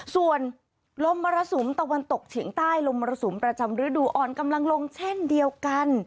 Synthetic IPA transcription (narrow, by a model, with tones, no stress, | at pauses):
su˨˩ən | lo˧mːaː˧ɾa˧su˨˩˦mt̪a˧wa˧nt̪o˨˩k̚t͡ɕʰi˨˩˦əŋt̪aː˥˩jlo˧mːɔː˧ɾa˧su˩˦mpɾa˧t͡ɕa˧mɾɯː˦˥duː˧˩ʔɔː˨˩nka˧mla˧ŋlo˧ŋt͡ɕʰe˥˩ndi˧əwka˧n